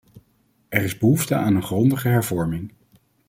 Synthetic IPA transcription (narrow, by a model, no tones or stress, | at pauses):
ɛrɪzbəɦuftəʔaːnənχrɔndəχəɦɛɹvɔɹmɪŋ